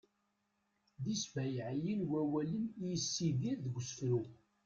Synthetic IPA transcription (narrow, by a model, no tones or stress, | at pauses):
ðisvæjʕjinwæwælənjisːiðiɾðəɡʷəsfɾu